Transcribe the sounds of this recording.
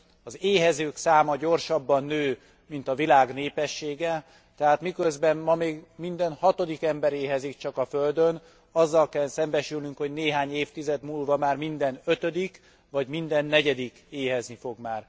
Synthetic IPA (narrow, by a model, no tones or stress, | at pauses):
ɒzeːɦɛzøːksaːmɒɟo̞rʃɒbːɒnːøː | mint̪ɒvilaːɡneːpɛʃːeːɡɛ | t̪ɛɦaːt̪mikøzbɛmmɒmeːɡmind̪ɛnhɒt̪o̞d̪ikɛmbɛɾeːɦɛzikt͡ʃɒkɒføld̪øn | ɒzːɒlkɛlsɛmbɛʃylnyŋkhoɟneːɦaːɲeːft̪izɛd̪muːlvɒmaːrmind̪ɛnø̞t̪ød̪ik | vɒɟmind̪ɛnːɛɟɛd̪ikeːɦɛznifo̞ɡmaːr